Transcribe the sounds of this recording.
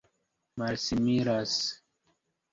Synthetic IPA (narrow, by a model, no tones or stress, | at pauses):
malsimiɾas